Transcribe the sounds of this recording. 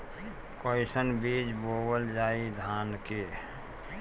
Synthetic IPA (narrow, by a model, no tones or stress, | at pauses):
kɔːɪsənbiːd͡ʒboːbəld͡ʒaːid̪ʱaːnke